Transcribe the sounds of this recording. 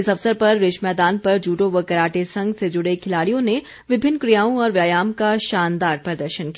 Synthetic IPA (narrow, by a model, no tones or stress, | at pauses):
ɪsɐʋsəɾpɐɾːɪʃmɛːd̪aːnpɐɾd͡ʒuːʈõʋəkɐɾaːʈesɐ̃ŋɡsed͡ʒʊɽekʰɪlaːɽijõne | ʋɪbʱɪnːkɾijaːõɔːɾʋjaːjaːmkaʃaːnd̪aːɾpɐd̪əɾʃənki